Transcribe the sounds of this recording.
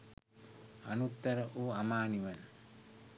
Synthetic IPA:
a̰nut̪ːəɾəʔuːamaːniʋɐn

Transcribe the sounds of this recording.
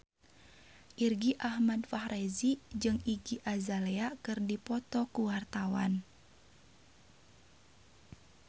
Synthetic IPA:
ʔirɡiʔahmadfahɾezid͡ʒɨŋiɡiʔazaleakɨrdipɔt̪ɔkuwart̪awa̰n

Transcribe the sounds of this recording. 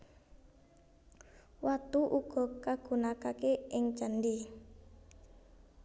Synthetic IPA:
wat̪uʔuɡ̥ɔ̤kaɡ̥ṳnakakeɪŋt͡ʃandi

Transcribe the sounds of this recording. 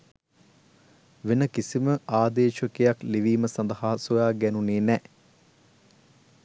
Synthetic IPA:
ʋenəkisiməʔaːd̪eːʃəkejakliʋiːməsɐnd̪əhaːsujaːɡɛnuneːnɛ

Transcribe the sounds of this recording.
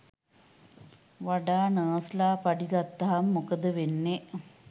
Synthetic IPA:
ʋaɖaːnəːslaːpaɖiɡat̪ːɐɦamːokəd̪əʋenːeʔ

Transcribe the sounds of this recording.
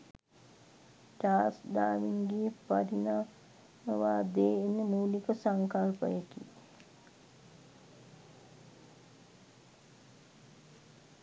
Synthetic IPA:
ʈaːsd̪aːʋiŋɡeːpaɾinaː | məʋaːd̪eːenəmuːlikəsaŋkalpə̰jəkḭ

